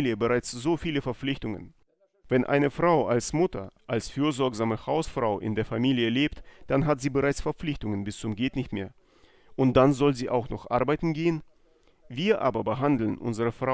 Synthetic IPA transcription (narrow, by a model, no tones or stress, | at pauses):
ljəbəʁaɪt͡sz̥oːfiːləfɛɐp͡flɪçtʊŋə̰n | vɛnʔa̰ɪnəfʁ̥aʊʔalsmʊtɐʔalsfyːɐzɔɐkzaːməhaʊsfʁ̥aʊʔɪ̰ndeːɐfamiːljəleːptd̥anɦatz̥iːbəʁaɪt͡sfɛɐp͡flɪçtʊŋənbɪst͡sʊmɡɛːtnɪçtmeːɐ | ʔʊnt̚d̥anzɔlziːʔa̰ʊxnɔχʔa̰ɐbaɪtn̩ɡeːən | viːɐʔa̰ːbɐbəɦandl̩nʔʊ̰nzəʁəfʁ̥a